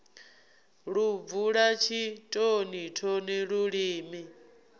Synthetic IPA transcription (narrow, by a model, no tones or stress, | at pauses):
ɺub̪vuɺat͡ʃʰitʼonitʰɔniɺuɺiːmi